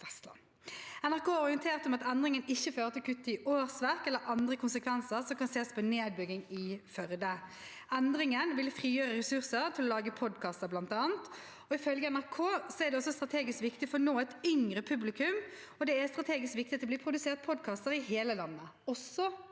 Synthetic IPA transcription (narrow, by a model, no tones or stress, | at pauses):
ɛst̪lɑ̰n | ɛnæʁkʰoːɔʁɪənt̪ʰeːʁt̪ɔmɑt̪ɛnd̪ʁɪŋənɪçːəføːɾət̪ʰɪlkʰʉt̪ːɪoːʁsʋæʁkɛlːəɾʔɑnd̪ʁəkʰʊnsəkʰʋɛnsəʁsɔmkɑnseːspʰɔneːd̪̚bʏɡɪŋɪfœɾd̪ə | ʔɛnd̪ɾɪŋənʋɪlfʁiːjøːʁəʁɛsʉʁsəɾt̪ʰɪlɔlɑːɡəpʰɔd̪kʰɑːst̪əblɑnt̪ɑːnt̪ | ɔɪfœlɡəɛnæɾkʰoːsɔɛæɾd̪ɛɔsːɔst̪ɾɑt̪ʰeːɡɪskʋɪkt̪ɪfɔnoːɛt̪ʏŋɾəpʰʉblɪkʰʉm | ɔd̪ɛæst̪ɾɑt̪ʰeːɡɪskʋɪkt̪ɪt̪ʰɪlɔbliːpʰɾʊd̪ʉseːʁt̪̚pʰɔd̪kʰɑːst̪əɾɪheːləlɑnːəɔsːɔ